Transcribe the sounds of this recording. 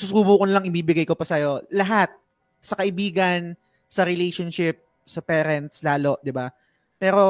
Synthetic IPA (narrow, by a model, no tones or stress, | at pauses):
susuːbuːkonɐlɐŋɪbiːbɪɡajkopɐsɐjo̞lɐɦat̪̚ | sɐkɐʔɪbiːɡɐn | sɐɾɛlejʃonʃɪp̚ | sɐpɛːɾɛnt̪̚slaːlo̞ʔd̪ɪba | pɛːɾo̞